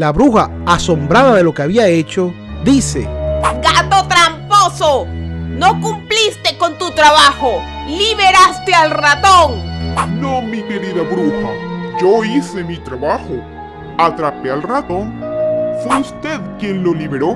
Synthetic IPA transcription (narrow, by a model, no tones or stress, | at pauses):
laβɾuxa | aso̞mbɾaðaðe̞lokeaβiae̞t͡ʃo̞ | d̪isḛɡat̪ot̪ɾamposonokumplist̪e̞ko̞nt̪ut̪ɾaβaxo | liβeɾast̪ealrat̪oŋnõmikeɾiðaβɾuxad͡ʒoise̞mit̪ɾaβaxo | at̪ɾapealrat̪o̞ŋfweust̪eðkjenlo̞liβeɾo